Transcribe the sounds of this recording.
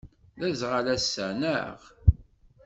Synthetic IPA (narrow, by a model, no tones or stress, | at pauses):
ðæzʁalæsːənəʁ